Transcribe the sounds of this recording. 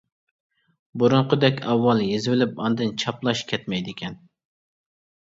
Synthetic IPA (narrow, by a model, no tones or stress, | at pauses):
buɾʊɴqʰəd̪ɛkʲɑwːɑlˠjezwɪlɪpɑnd̪ɨnt͡ʃʰɑplˠɑʃkʲʰɛt̪mɛjd̪ɪkʲʰɛn